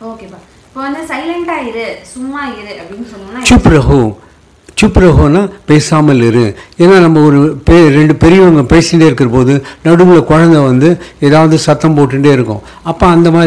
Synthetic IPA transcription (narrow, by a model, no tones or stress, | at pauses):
oːkeːpaː | ɪpːoːʋɐnd̪ɯsɐɪlɐɳʈaːɪɾɯsʊmːaːɪɾɯʔɐpːɽinsɔnːɐaːt͡ʃʊpːɾɐɦu | t͡ʃʊpːɾɐɦunãːpeːsaːmɐlɪɾɯeːnːaːnɐmːɐɔɾɯpeːɾɛɳɖɯpɛɾɪʋɐŋɡɐpeːsɪnɖeːɪɾɯkːɪɾɐpoːðɯnɐɽɯʋɯɭɐkɔɻɐnd̪ɐʋɐnd̪ɯeːðaːʋɐðɯsɐt̪ːɐmpoːʈːɪɳɖeːɪɾɯkːʊ̰̃ | ɐpːoːɐnd̪ɐmaː